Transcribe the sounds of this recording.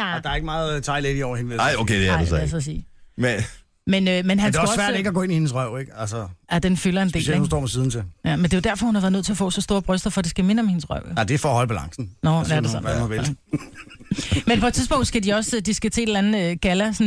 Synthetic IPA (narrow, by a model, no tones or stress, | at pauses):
d̥ɑ̈æɐeɡ̥əmɑ̈ːð̩ˠt͡sʰɑ̈ɪlediɒʊ̰ɐhenʋelɑɪokʰḛd̥eæɐdesɛsɒsiːme | menømenɦænnsɒsʋæɐ̰de̝ɡ̥æɡɔ̽ːe̝nihe̝nəsʁœʊ̰eɡ̥ælsəæd̥enfylɐe̝nsde̝ḛelehunsd̥ɔ̰ːmɒsiːð̞ˠn̩t͡sʰejæmend̥e̝o̝d̥æɐfɒhunhɑʋæɐðˠøð̰ˠt͡sʰe̝ɐfɔ̰ːsɒ̽sd̥o̝ːɐb̥ʁœsd̥ɐfɒ̽d̥isɡ̥æime̝nəɒ̽mhe̝nəsʁɶ̰ʊ̰jod̥efɒːhɒ̽l̰əb̥ælɑ̈ŋsn̩nɔd̥eɐdesɒn̰mɑʋe | menpʰɒ̥t͡sʰiðˠb̥ɔ̽ʊ̰nd̥sɡ̥ædiɒ̽sd̥isɡ̥æt͡sʰe̝̰ːelæn̩ˠøɡ̥ælæsɒn